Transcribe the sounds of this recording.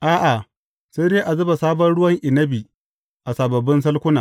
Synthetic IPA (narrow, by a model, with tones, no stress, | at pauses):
ʔaː˦ʔa˨ | se˦deː˦ʔa˨zɐ˦ba˨saː˦bɐ˦nɽʊ˦wɐ˦ŋʔɪ˨nɐ˦bi˨ | ʔa˨sa˨bɐ˨bːɪ˦ns̬ɐ˦lkʷʊ˦naː˨